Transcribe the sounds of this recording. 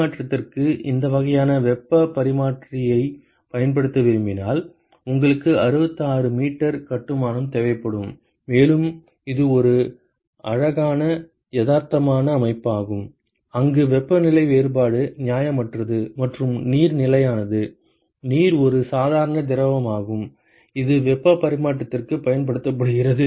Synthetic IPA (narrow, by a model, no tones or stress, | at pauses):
aːʈrɐt̪ːɪrkɯʔɪnd̪ɐʋɐɣɐjaːnɐʋɛpːɐpɐɾɪmaːʈrɪjɐɪ | pɐjɐnpɐɽɯt̪ːɐʋɪɾɯmbɪna̰ːl | ʊŋɡɐɭɯkːɯɐɾɯbɐt̪ːɯaːɾɯmiːʈːɐɾkɐʈːɯmaːnɯmt̪ɛːʋɐɪpːɐɽɯmː | eːlɯm | ɪðɯɔɾɯ | ɐɻɐɣaːnɐ | jɛðaːɾt̪ɐmaːnɐːmɐɪpːaːɣɯm | ɐŋɡɯʋɛpːɐnɪlɐɪʋeːɾbaːɽɯnɪjaːjɐmɐʈrɐðɯmɐʈrɯmniːɾnɪlɐjaːnɐðɯ | niːɾɔɾɯsaːðaːɾɐɳɐd̪ɪɾɐʋɐmaːɣɯm | ɪðɯʋɛpːɐpɐɾɪmaːʈːɐt̪ːɪrkɯpɐjɐnpɐɽɯt̪ːɐp̬ːɐɽɯɣɪrɐðɯ